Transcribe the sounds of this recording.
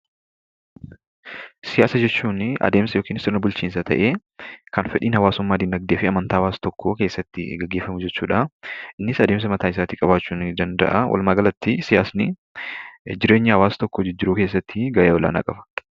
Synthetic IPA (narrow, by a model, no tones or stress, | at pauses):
sɪjaːsɐd͡ʒɛt͡ʃːuːnʔɐ̰d̪e̞ːmsɐjoːkiːnsɔnɐbʊlt͡ʃiːns̬ɐt̪ʰɐ̰ʔeː | kɐnfɛᶑḭːnhɐwaːsʊmːaːd̪ɪnd̪ɐɡ̚d̪eːfɪɐmɐnt̪aːɐwaːst̪ɔkːoke̞ːsːɐt̪ːɪ̰ɡɐɡːeːfːɐmʊd͡ʒɛt͡ʃːuːᶑaʔɪnːɪsɐd̪e̞ːms̬ɐmɐt̪aːɪs̬aːt̪ɪkʼɐbaːt͡ʃːuːnd̪ɐnd̪ɐ̰ʔɐwɐ̰lmaːɡɐlɐt̪ːɪsɪjaːsnɪ | d͡ʒɪɾe̞ːɲːɪhɐwaːst̪ɔkːɔd͡ʒɪd͡ʒːɪɾʊke̞ːs̬ːɐt̪ːɪɡɐʔeːwɔla̰ːna̰ːkʼɐfɐ̥